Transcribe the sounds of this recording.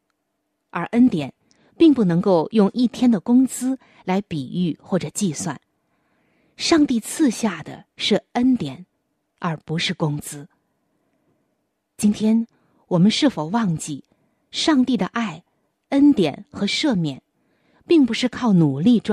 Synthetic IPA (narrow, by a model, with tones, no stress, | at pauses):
ə˞˧˥ʔə˥nt̪jɛ˨˩n | pi˥˧ŋpu˥˩nɤ˧˥ŋko˥˧ʊjʊ˥˧ŋʔi˥˩t̪ʰjɛ˥nd̪ə˨kʊ˥ŋt͡sɹ̩˥ | la˧˥ɪpi˨˩y˥˩xwɔ˥˩ʈ͡ʂɤ˨˩t͡ɕi˥˧swa̰˥˩n | ʂɑ˥˧ŋt̪i˥˧t͡sʰɹ̩˥˧ɕja˥˩d̪ə̰˩ʂɻ̩˥˩ə˥nt̪jɛ˨˩˦n | ə˞˧˥pu˧˥ʂɻ̩˥˩kʊ˥ŋt͡sɹ̩˥ | t͡ɕi˥nt̪ʰjɛ˥n | wɔ˨˩mə˦nʂɻ̩˥˩fo˨˩ʊwɑ˥˧ŋt͡ɕi˥˩ | ʂɑ˥˧ŋt̪i˥˩d̪ə˩ʔa˥˩ɪ | ə˥nt̪jɛ˨˩˦nxɤ˧˥ʂɤ˥˧mjɛ˥˩n | pi˥˩ŋpu˧˥ʂɻ̩˥˧kʰɑ˥˩ʊnu˨˩li˥˧ʈ͡ʂ